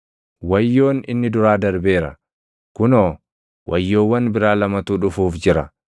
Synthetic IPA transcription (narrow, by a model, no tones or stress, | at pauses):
wɐjːo̞ːnɪ̰nːɪd̪ʊɾaːd̪ɐɾbe̞ːɾɐ̰ | kʊnoː | wʔɐjːo̞ːwːɐnbɪɾaːlɐmɐt̪uːᶑʊfuːfd͡ʒɪɾɐ